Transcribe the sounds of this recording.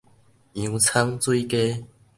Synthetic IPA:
ĩ˨˦t͡sʰa˦ŋt͡swi˦˨ke˦

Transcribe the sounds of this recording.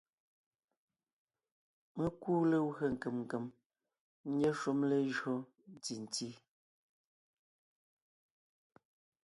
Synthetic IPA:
mə˦kuː˦le˦wɰə˨ŋ̩˨ke˨mŋ˨ke˨m˦ | ɲe˦ʃu˦mle˦ʒo˦ | ti˨n̩˨ti˦

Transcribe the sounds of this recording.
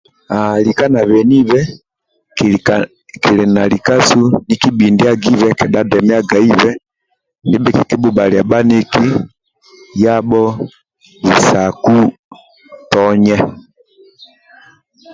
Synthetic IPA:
alika˦na˨βɛ˨ni˦βɛ˦ | k | ki˨lɛ˨na˨li˨ka˦su˦niki˦bindi˦a˦ɡi˦vɛkɛdadɛmɛ˦a˦ɡa˨i˦vɛ˦ | ndi˦bɛ˦ki˨ki˦buba˨li˨a˨ba˦ni˦ki˦ | ja˦bɔ˦ | vi˨saku˦ | tɔ˦ɲɛ˦

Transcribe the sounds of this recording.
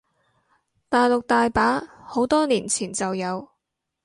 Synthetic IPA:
t̪aː˨jlʊ˨k̚t̪aː˨jpaː˨˥ho˨˥wt̪ɔː˥niː˨˩nt͡sʰiː˨˩nt͡sɐ˨wjɐ˨˧w

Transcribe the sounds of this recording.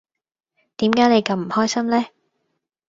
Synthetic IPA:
t̪iː˨˥mkaː˨˥jne˨˧jkɐ˧wm̩˨˩hɔː˥jsɐ˥mlɛː˥

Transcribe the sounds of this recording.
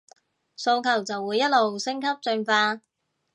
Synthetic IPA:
so˧wkʰɐ˨˩wt͡sɐ˨wːuː˨˧jɐ˥t̚lo˨wsɪ˥ŋkʰɐ˥p̚t͡ʃɵ˧nfaː˧

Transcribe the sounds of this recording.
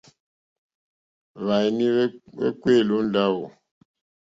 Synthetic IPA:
βa˨jni˦wḛ˦kwe˦˨lu˨˦n˦da˦wo˨

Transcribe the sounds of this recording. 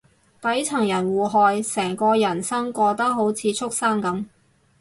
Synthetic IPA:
t̪ɐ˨˥jt͡sʰɐ˨˩ŋjɐ˨˩nwuː˨˩ɦɔː˨jsɛː˨˩ŋkɔː˧jɐ˨˩nsɐ˥ŋkʷɔː˧t̪ɐ˥k̚ɦo˨˥wt͡sʰiː˨˧t͡sʰʊ˥k̚saː˥ŋkɐ˨˥m

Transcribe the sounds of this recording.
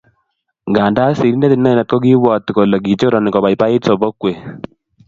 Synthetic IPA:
ɡa˨nda˦si˨ɾi˦ne˦t̪i˨nɛ˦˨na˨t̪̚kɔ˦ki˦wɔ˨t̪ko˨lɔ˨ɡi˨t͡ʃo˦ɾɔ˨ni˨kɔ˨ba˨jpa˦i˦tsɔ˨bɔ˦kwe˨

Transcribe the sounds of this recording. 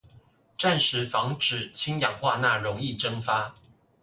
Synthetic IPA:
ʈ͡ʂa˥˩nʂɻ̩˧˥fɑ˧˥ŋʈ͡ʂɻ̩˨˩t͡ɕʰi˥ŋjɑ˨˩ŋxwa˥˧na˥˩ɻʊ˧˥ŋi˥˩ʈ͡ʂɤ˥ŋfa˥

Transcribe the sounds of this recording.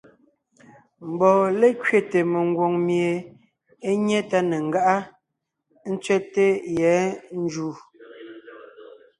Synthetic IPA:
m̩˨bɔː˨le˦kɥe˨te˨me˨ŋ˦ɡwo˨ŋmje˨ | e˦ɲɛ˦ta˦ne˨ŋ̩˦ɡa˦ʔa˦ | n̩˦t͡sɥɛ˦te˦jɛ˨˦n̩˦d͡ʒuː˦˨

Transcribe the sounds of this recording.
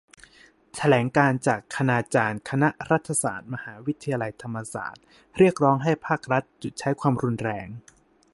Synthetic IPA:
t̪ʰa˧lɛː˩˦ŋkaː˧nt͡ɕaː˨˩kʰːa˧naː˧t͡ɕaː˧nkʰa˧na˦˥ʔɾa˦˥t̪ʰːa˧sa̰ː˨˩t̪̚ma˧haː˩˦wi˦˥t̪ʰːa˧jaː˧la˧jt̪ʰa˧mːa˧sa̰ː˨˩t̪̚ | ɾi˥˩ək̚ɾɔː˦˥ŋɦa˥˩jpʰaː˥˩k̚ɾa˦˥t̪̚t͡ɕu˨t̪̚t͡ɕʰa˦˥jkʰwaː˧mɾu˧nɾɛː˧ŋ

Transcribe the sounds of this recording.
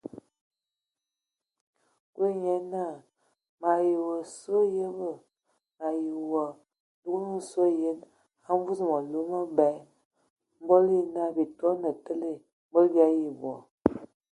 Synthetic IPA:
kwe˦ɲɛ˦na˦˨ | ma˨ji˨wə˨sə˦jə˦bə˦˨ | ma˨ji˨wə˨ | du˦knu˦˨so˦jə˦n | ha˦ɱ˦vu˦zmə˨lu˦mə˦bɛ˨˦ | m˦bo˦li˦na˦bi˨tɔ˦nə˨tə˦le˦˨ | m˦bo˦lbja˦ji˨bɔ̰˨

